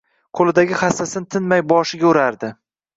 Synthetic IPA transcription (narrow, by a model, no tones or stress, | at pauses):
qʰolˠɪd̪aɡʲɪχasːasɪnɪt̪ʰɪnmajbɒʃɪɡʲaʊɾaɾd̪ɪ